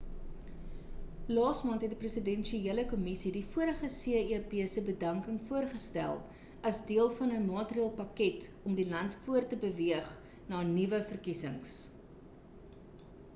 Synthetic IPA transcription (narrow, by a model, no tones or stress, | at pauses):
lɑːsmɑːntɦɛt̚diprəsədɛnʃieələkɔmisidifuəɾəχəsiəiəpiəsəbədɐŋkəŋfuərχəstæ̰lˠ | ɐsdiəlˠfɐnəmɑːtrieːlˠpɐkɛtɔmdilɐntfuərtəbəviəχ | nɑːnivəfərkisəŋs